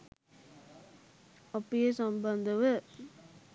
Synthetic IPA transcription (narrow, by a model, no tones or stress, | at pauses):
ɐpːijesɐmbɐnd̪ɐʋɯ